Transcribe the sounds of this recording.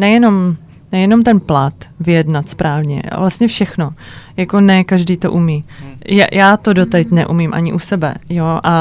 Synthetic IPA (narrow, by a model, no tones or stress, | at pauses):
nɛjɛno̞m | nɛjɛno̞mt̪ɛnplat̪vɪjɛdnat̪spɾaːvɲɛ̰vlast̪ɲɛfʃɛxno̞ | jako̞nɛkaʒdiːt̪o̞̰ʔumiːja̰jaːt̪odot̪ajt̪nɛ̰ʔumiːmʔa̰ɲɪʔusɛbɛ̰joʔa